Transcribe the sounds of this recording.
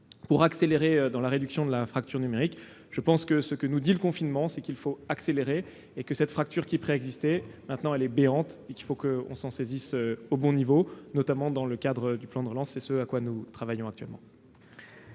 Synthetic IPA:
puʁakseleʁeød̪ɑ̃laʁed̪yksjɔ̃d̪əlafχak̚t̪yʁnymeʁik | ʒ̥əpɑ̃skəsəkənud̪iləkɔ̃finmɑ̃sɛkʲilfoakseleʁe | ekəsɛt̪fχak̚t̪yʁkʲipχeɛɡzist̪ɛmɛ̃t̪nɑ̃ɛlɛbeɑ̃t̪ekʲilfokəɔ̰̃sɑ̃sezisøobɔ̃nivonɔt̪amɑ̃d̪ɑ̃ləkad̪ʁəd̪yplɑ̃d̪əʁəlɑ̃sːɛsəakwanut̪χavajɔ̃ak̚t̪ɥɛlmɑ̰̃

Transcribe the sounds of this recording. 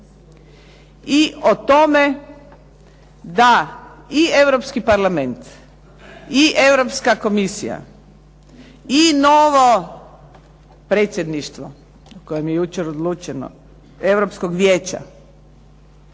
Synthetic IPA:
iot̪o̞me | d̪aie̞ʋɾopskipaɾlame̞nt̪ | iʔeʋɾopskako̞misija̰ | inoʋo | pɾeːt̪sjed̪niʃt̪ʋo̰ | kojemjejut͡ʃeɾod̪lˠuːt͡ʃeno̰ | e̞ʋɾopskoɡʋjeːt͡ɕa̰

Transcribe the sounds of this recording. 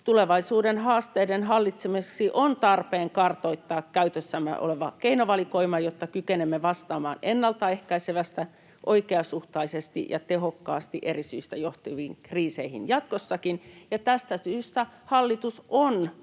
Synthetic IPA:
t̪uleʋɑisuːdenhɑːst̪eːdenhɑlːit̪semiksiʔont̪ɑrpeːŋkɑrt̪oit̪ːɑːkkæyt̪øsːæmːḛʔo̰leʋɑ̰keinoʋɑlikoimɑjot̪ːɑkykenemːeʋɑst̪ɑːmɑ̰ːnenːɑlt̪ɑehkæiseʋæst̪æ | ʔoikeɑsuht̪ɑisest̪ḭjɑ̰t̪ehokːɑːst̪iʔerisyːst̪æjoht̪iʋiːŋkriːseihḭnjɑt̪̚kosːɑkinjɑt̪æst̪æsyːst̪æhɑlːit̪uson

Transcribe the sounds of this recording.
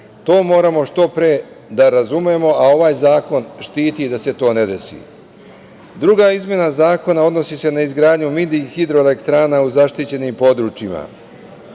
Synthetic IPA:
t̪o̞ːmo̞ːɾamo̞ʃt̪o̞pɾe | d̪aɾazumjemo̞ʔao̞ʋaːjzaːko̞nʃt̪iːt̪id̪ase̞t̪o̞ːne̞d̪e̞sḭ | d̪ɾuɡaizmʲje̞nazaːko̞nao̞d̪no̞sise̞naizɡɾaːd̪ɲumid̪ixid̪ɾo̞ele̞kt̪ɾaːnauzaʃt̪it͡ɕe̞nimpo̞d̪ɾut͡ʃima̰

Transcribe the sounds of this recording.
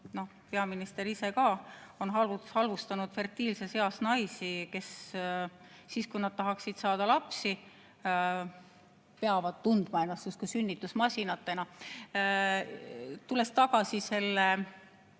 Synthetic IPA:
no̞hpe̞ɑminist̪eɾise̞kɑːo̞nɦɑlvuhɑlvust̪ɑnud̪̥fe̞rt̪iːlse̞se̞ɑsnɑjsike̞s | iːskujnɑd̪̥̚t̪ɑɦɑksid̪̥sɑːd̪̥ɑlɑpsi | pe̞ɑvɑd̪̥t̪und̪̥mɑenɑsuskusynʲːit̪ːusmɑsʲinɑt̪ːˑe̞nɑ | t̪ule̞st̪ɑɡ̥ɑsise̞lːe

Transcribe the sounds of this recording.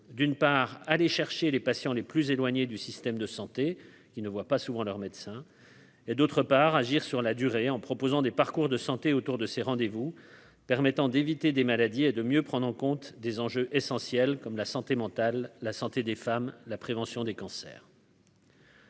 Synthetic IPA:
d̪ynpaʁaleʃɛʁʃelepasjɑ̃leplyzelwaɲed̪ysist̪ɛmd̪əsɑ̃t̪e | kʲinəvwapasuvɑ̃lœʁmɛd̪sɛ̃ | ed̪ot̪χəpaʁaʒiʁsyʁlad̪yʁeɑ̃pχɔpozɑ̃d̪epaʁkuʁd̪əsɑ̃t̪eot̪uʁd̪əseʁɑ̃d̪evu | pɛʁmɛt̪ɑ̃d̪evit̪ed̪emalad̪ied̪əmjøpχɑ̃d̪ʁɑ̃kɔ̃t̪d̪ezɑ̃ʒøʔesɑ̃sjɛlkɔmlasɑ̃t̪emɑ̃t̪alːasɑ̃t̪ed̪efamlapχevɑ̃sjɔ̃d̪ekɑ̃sɛ̰ːʁ

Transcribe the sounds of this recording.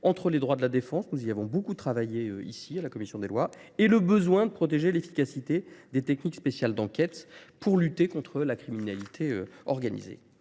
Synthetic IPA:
ɑ̃t̪χəled̪ʁwad̪əlad̪efɑ̃snuziavɔ̃bokut̪χavajeøḭsialakɔmisjɔ̃d̪elwaeləbəzwɛ̃d̪əpχɔt̪eʒelefi̥kasit̪ed̪et̪ɛknikspesjald̪ɑ̃kʲɛt̪puʁlyt̪ekɔ̃t̪χəlakχiminalit̪ʰeøɔʁɡanḭzḛ

